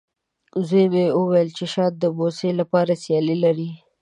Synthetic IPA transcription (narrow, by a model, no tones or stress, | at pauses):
zejmeʊwajəlt͡ʃeʃɑt̪̚d̪əboselapɑɾasjɑlilaɾi